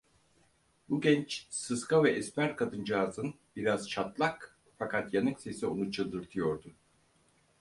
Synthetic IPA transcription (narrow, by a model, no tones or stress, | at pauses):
buɡʲɛnt͡ʃsɯskʰavɛʔɛsmæɾkʰad̪ɯnd͡ʒaːzɯn | b̥iɾaz̥t͡ʃʰat̪lˠak | fakʰat̪janɯŋse̞sio̞nut͡ʃʰɯlˠd̪ɯɾt̪ʰɯjo̞ɾd̪u